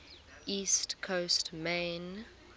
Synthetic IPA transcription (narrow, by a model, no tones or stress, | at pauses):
istkʰostmẽn